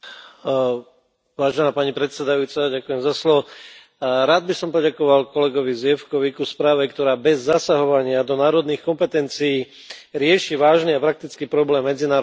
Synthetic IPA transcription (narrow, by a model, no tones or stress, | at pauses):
ʋaːʒɛnaːpaɲipɾɛt̪sɛd̪ajuːt͡saɟakujɛmzaslɔʋɔ | ɾaːd̪̚bisɔmpɔɟakɔʋalkɔlɛɡɔʋizjɛfkɔʋikuspɾaːʋɛkt̪ɔɾaːbɛzːasaɦɔʋaɲɪad̪ɔnaːɾɔd̪niːxkɔmpɛt̪ɛnt͡sijiː | ɾɪɛʃiʋaːʒniapɾak̚t̪it͡skiːpɾɔblɛːmːɛd͡zinaːɾ